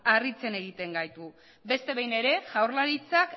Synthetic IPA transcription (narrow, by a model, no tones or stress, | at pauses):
arit͡se̞ne̞ɣ̞it̪e̞ŋɡajt̪u | be̞st̪e̞βejne̞ɾe̞ʝawɾlaɾit͡sak